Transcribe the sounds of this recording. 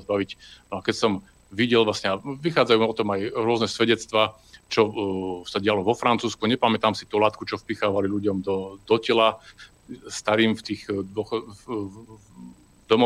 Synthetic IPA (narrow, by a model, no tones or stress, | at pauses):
zbaʋicnɔakɛcsɔm | ʋiɟɛlʋlasɲɛaʋixaːd͡zajuːɔt̪ɔmajɾʊɔznɛsʋɛɟɛt͡st̪ʋaː | t͡ʃɔsaɟɪalɔʋɔfɾant͡suːskuɲɛpamɛt̪aːmsit̪ulaːt̪kut͡ʃɔfpixaːʋaliluɟɔmd̪ɔd̪ɔcɛla | st̪aɾiːmft̪iːxd̪ʊɔx | d̪ɔmɔ